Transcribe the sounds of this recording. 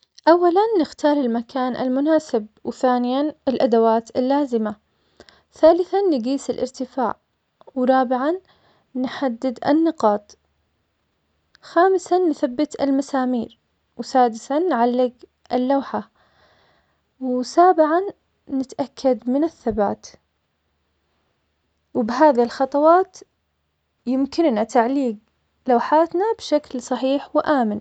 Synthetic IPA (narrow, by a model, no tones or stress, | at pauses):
ʔawːalanːɪxt̪ɑːɾˤɪlmakʰaːnʔa̰lmʊnaːsɪb̚wθaːnɪjanɪlʔad̪awaːt̪ɪlːaːzɪma | θaːlɪθanːɪɡiːsɪlʔɪ̰ɾt̪ɪfa̰ːʕ | wɾˤɑːbɪʕanː | ħad̪ːɪd̪ʔa̰nːɪqɑːt̪ˤ | xaːmɪsanːθabːɪt̪ɪ̰lmasaːmiːɾ | wsaːd̪ɪsanːʕalːɪɡ | ʔɪlːaːħa | wsaːbɪʕanː | ɪt̪ʔakʰːad̪mɪnɪθːabaːt̪ | wbɪɦaːðilxɑt̪ˤɑwɑːt̪ | jɪmkɪnːat̪aʕliːɡ | lawħaːt̪nabʃaklsˤɑħiːħwɪʔaːmɪn